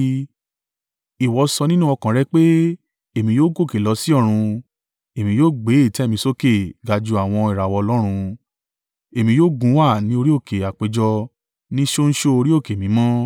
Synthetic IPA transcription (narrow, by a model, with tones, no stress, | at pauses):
i˨wɔ˨˧sɔ˧nĩ˦nũ˦ɔ˧kã˨ɾɛ˦˧˦k͡pe˦ | e˦˨mĩ˧joː˦ɡo˦˨ke˨lɔ˨˧si˦ɔ˦˨ɾ̃ũ˧ | e˨mĩ˧joː˦˨ɡ͡be˨˦i˦˨tɛ˨˦mĩ˧so˦ke˦˨ɡa˧d͡ʒu˧a˨w̃ɔ̃˧i˨ɾa˨wɔ˧ɔ˧lɔ˦ɾ̃ũ˧ | e˨mĩ˧joː˦˨ɡũ˨˦wa˦˨nĩ˦o˧ɾi˦o˦˨kʰe˨a˨k͡pe˨˧d͡ʒɔ˧ | nĩ˦ʃo˦n̩˦ʃo˦o˧ɾi˦o˦˨ke˨mĩ˨˦mã˦